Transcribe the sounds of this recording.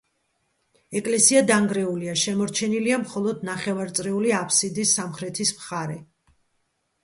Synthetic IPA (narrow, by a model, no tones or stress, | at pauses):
ɛkʼlɛsiad̪aŋɡɾɛuliaʃɛmɔɾt͡ʃʰɛniliamχɔlˠɔd̪naχɛvaɾt̪sʼɾɛuliapʰsid̪isːamχɾɛt̪ʰismχaɾɛ